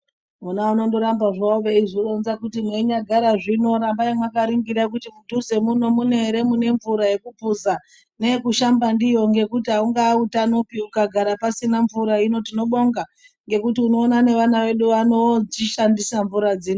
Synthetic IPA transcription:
munauno̞ndo̞ɾambaʐauʋeiʐironzakutineɲaɡʱaɾaʐino̞ɾambaimwakaɾiŋɡiɾak̬utimutuze̞muno̞mune̞ɾe̞mune̞ɱvuɾaje̞kubʱuza | ne̞kuʃambandijo̞ŋɡe̞kutiɦauŋɡaːutanopiukaɡʱaɾapasinaɱvuɾaino̞tino̞ɓo̞ŋɡa | ŋɡe̞kutiuno̞ːnane̞ʋanaʋe̞ɗuʋano̞iʃandisaɱvuɾad͡ziːno

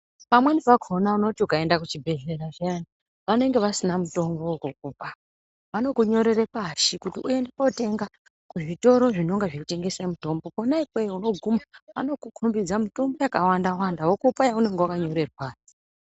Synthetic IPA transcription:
pamwenipaɡʱonauno̞tiukae̞ndakut͡ʃibʱe̞ɮe̞ɾaʐaani | ʋane̞ŋɡe̞ʋasinamuto̞mbo̞kuk̚upa | ʋano̞kuɲo̞ɾe̞repaʃikutiʔue̞ndepote̞ŋɡa | kuʐito̞ɾo̞ʐino̞ŋɡaʐeute̞ŋɡe̞samuto̞mbo̞ponaipejuno̞ɡʱumaano̞kukʰumbid͡zamito̞mbo̞jakawandawandaɦokupajaune̞ŋɡewakaɲo̞ɾe̞rwaːi̥

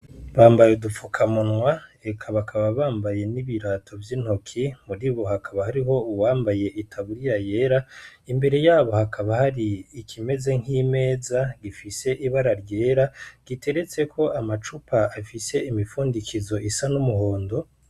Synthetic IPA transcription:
βaːmbajedufukʰamunwae̞kʰaβakʰaβaβaːmbaje̞niβiɾatʰo̞vjiːn̥hokʰimuɾiβo̞hakaβahaɾiɦo̞uwaːmbaje̞ʔitʰaβuɾijaje̞ːɾaimbe̞ɾe̞jaːβo̞hakʰaβahaɾiːkʰime̞ze̞ŋ̥ime̞ːzaɡifise̞ʔiβaɾaɾje̞ːɾaɡ̥ite̞ɾe̞t͡se̞kʰo̞amat͡ʃupʰaːfise̞imifuːndikʰizo̞ʔisanumuɦo̞ːndo̞

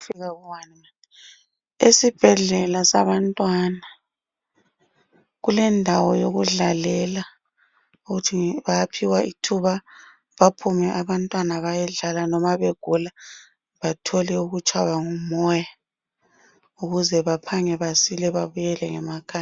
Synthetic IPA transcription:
fiɣaɣuwanima | esib̥ʱɛɮɛlasaβantʼwana | ɣulɛndʱawɔjoɣuɮalɛla | uɣutʰiβajapʰiwaitʰuβa | βapʰumɛʔaβantʼwanaβajɛɮalanɔmaβeɡ̥ʱula | βatʰɔlɛuɣut͡ʃʰʼwaβaŋumɔja | uɣuzɛβapʰaŋɛβasilɛβaβujɛlɛŋɛmakʰa

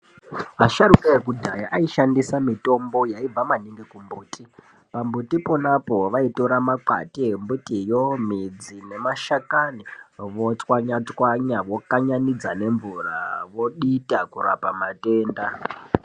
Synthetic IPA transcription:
ɦaʃaɾukaekudʱajaʔaiʃandisamito̞mbo̞jaib͡vamaniŋɡekumbuːtʰʼi | pambutipo̞napo̞ʋaito̞ɾamaǃa̰tiembutijomid͡zine̞maʃakaniʋot͡swaɲat͡swaɲaʋo̞kaɲanid͡zane̞ɱvura̰ʋo̞ɗitakura̰pamate̞ːnda

